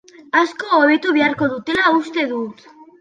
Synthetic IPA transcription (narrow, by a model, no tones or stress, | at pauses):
askoːβet̪uβiaɾko̞ðut̪elaust̪e̞ðut̪